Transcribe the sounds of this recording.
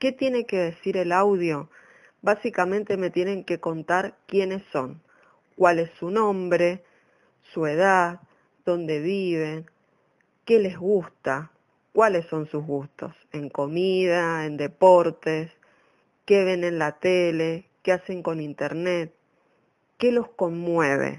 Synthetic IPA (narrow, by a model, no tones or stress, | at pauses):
ke̞t̪je̞neke̞ðe̞siɾe̞lawðjo̞ | basikamẽ̞nt̪e̞me̞t̪je̞ne̞ŋke̞ko̞nt̪aɾkje̞ne̞sːo̞ŋ | kwale̞sːunõ̞mbɾe̞ | sue̞ð̞að | d̪o̞nd̪e̞β̞iβe̞n | ke̞le̞zɣust̪a | kwale̞sːo̞nsuzɣust̪o̞̰se̞ŋko̞miðae̞nd̪e̞po̞ɾt̪es | ke̞βe̞nẽ̞nlat̪elekease̞ŋko̞nint̪e̞ɾne̞t̪̚ | ke̞lo̞sko̞nmwe̞βḛ